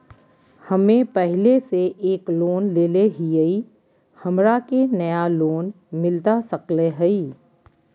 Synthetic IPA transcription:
hɐmẽpɛɦleseʔeːkloːnleːleɦiəi | hɐmɾakenɐjaloːn | mɪlt̪asəkleɦɛiː

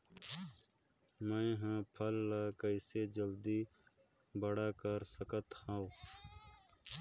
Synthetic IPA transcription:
mɐẽɦãːpʰəlːakəiseːd͡ʒəld̪iː | bəɽaːkəɾsəkət̪hãːw

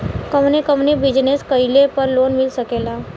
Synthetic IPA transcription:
kəmnekəmnebɪd͡ʒneskəɪlepɐɾloːnmɪlsəkeːlaː

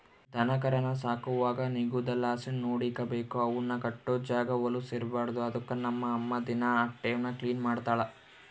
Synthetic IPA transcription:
d̪ʱɐnɐkɐɾɐnɐsaːkuʋaːɡɐniɡud̪ɐlːaːsɐnnoːɽikɐbeːkuɐʋunːɐkɐʈːud͡ʒaːɡɐʋɐluseːɾbaːɾd̪uɐd̪ɐkːɐnɐmːɐːmːɐd̪inɐaːk̚ʈɛjɐnːɐkliːnmaːɽt̪aːɭɐ

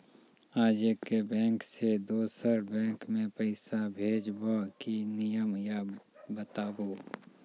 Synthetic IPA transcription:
aːd͡ʒekebɛ̃ːŋksed̪oːsəɾbɛ̃ːŋkmẽpəɪsabʱeːd͡ʒbakinɪjəmjabət̪aːboː

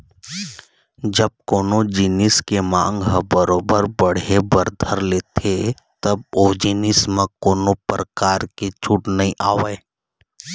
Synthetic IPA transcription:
d͡ʒəb̚koːnod͡ʒɪnɪskemãːŋɡɦbəɾoːbəɾbəɽ̤ebəɾd̪ʱəɾleːt̪ʰe | t̪ɐb̚oːd͡ʒɪnɪsmẽkoːnopɾəkaːɾket͡ʃʰʊʈnɐɦĩʔaːweː

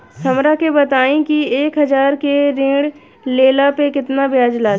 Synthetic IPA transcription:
sɐmɾakebət̪aːẽkieːkɦɐzaːɾkeɾẽːɽ | leːlapekɪt̪nabjaːd͡ʒlaː

